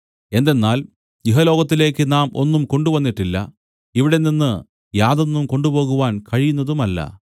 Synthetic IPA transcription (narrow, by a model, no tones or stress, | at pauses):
e̞nd̪e̞nːaːl | jiɦɐlo̞ːɡɐt̪ːile̞ːkːɨnaːmo̞̰nːumko̞ɳɖuʋɐnːiʈːilːɐ̰ | iʋiɽe̞ninːɨ | jaːðo̞nːumko̞ɳɖubo̞ːɣuʋaːnkɐɻijunːɐðumɐlːɐ̰